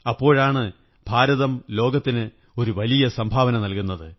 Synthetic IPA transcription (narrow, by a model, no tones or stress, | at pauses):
ɐpːo̞ːɻaːɳɨ | b̥ʱaːɾɐðɐmlo̞ːɡɐt̪ːinɨ | o̞ɾuʋɐlijɐsɐmbʱaːʋɐnɐmnɐlkunːɐðɨ